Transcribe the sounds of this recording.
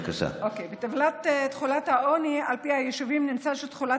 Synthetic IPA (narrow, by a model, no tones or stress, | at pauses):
kaʃa̰ʔokejbet̪avlat̪et̪χulathaonialpiajeʃuvimnimt͡saʃet̪χula